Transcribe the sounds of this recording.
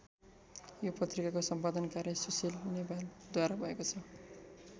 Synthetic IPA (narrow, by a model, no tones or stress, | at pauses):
jopʌt̪rikakosʌmpad̪ʌnkaɾjʌsusilnibald̪waɾabʱʌekot͡sʰʌ